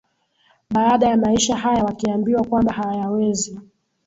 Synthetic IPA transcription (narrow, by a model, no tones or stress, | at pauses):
ɓaːɗajamaiʃaɦajawakiambiwakwambahajajawɛzi